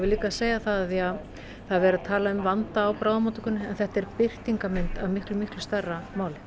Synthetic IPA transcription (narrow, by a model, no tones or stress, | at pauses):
vɪliːkaseːjaθaðaθiað | θaðvɛːɾat̪ʰaːlaʏmvant̪aːwpɾawðamaːt̪ʏ̥kʏnːɪɛnθɛht̪ɛɾpɪr̥t̪iŋkamɪnt̪avmɪhklʏmɪhklʏst̪arːamaːwlɪ